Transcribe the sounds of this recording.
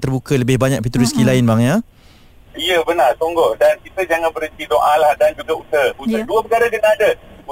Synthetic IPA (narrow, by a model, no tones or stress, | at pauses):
t̪ərbukələbɪhbaɲãk̚pit̪uɾiskilaɪnbaŋja | iəbənart̪oŋɡɔʔdankit̪əd͡ʒaŋanbəɾənt̪id̪oʔalahdand͡ʒuɡausəusəduəbəɡaɾaɡənãːdə